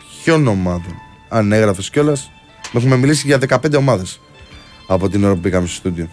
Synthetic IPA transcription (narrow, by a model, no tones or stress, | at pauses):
ço̞no̞mɐðo̞n | ɐne̞ɣɾɐfesco̞lɐs | me̞xume̞milisiʝɐðe̞kɐpend̪e̞o̞mɐðe̞s | ɐpo̞t̪inoɾopupikɐmisst̪ud̪io